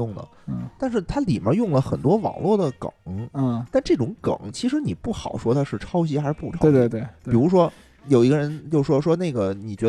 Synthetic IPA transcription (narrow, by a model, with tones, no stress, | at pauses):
ʊ˥˩ŋd̪ə̰˩˥˩t̪a˥˧nʂɻ̩˥˩t̪ʰa˥li˨˩mjə̰˧˥jʊ˥˩ŋlə˩xə̰˨˩nt̪wɔ˥wɑ̰˨˩ŋlwɔ˥˩d̪ə˩kɤ̰˨˩˦ŋ̩˥˩t̪a˥˧nʈ͡ʂɤ˥˩ʈ͡ʂʊ˧˥ŋkɤ̰˨˩˦ŋt͡ɕʰi˧˥ʂɻ̩˧˥ni˨˩pu˥˩xɑ˨˩ʊʂwɔ˥d̪ə˨˧ʂɻ̩˥˩ʈ͡ʂʰɑ˥ʊɕ̬i˥xa˧˥ʂɻ̩˧˥pu˥˩ʈ͡ʂ̪ʰe˥˧t̪e˥˩pi˨˩ɻu˧˥ʂ̬wɔ˥ | jo˨˩ʊi˧˥ɡə˧ɻə˧˥nt͡ɕjo˥˧ʊʂʂwɔ˥ʂwɔ˥ne˥˩ɪɡə˩ni˨˩t͡ɕɥɛ˧˥